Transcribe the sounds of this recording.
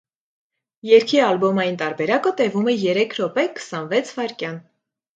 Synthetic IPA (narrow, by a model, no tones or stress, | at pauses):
jɛɾkʰiɑlbɔmɑjint̪ɑɾbɛɾɑkət̪ɛvumɛjɛɾɛkʰɾɔpɛkʰə̥sɑnvɛt͡sʰvɑɾkjɑn